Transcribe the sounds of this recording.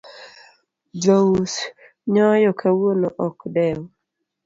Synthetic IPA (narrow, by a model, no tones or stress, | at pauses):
d͡ʒous | ɲɔjɔkʰawonoʔɔkdɛw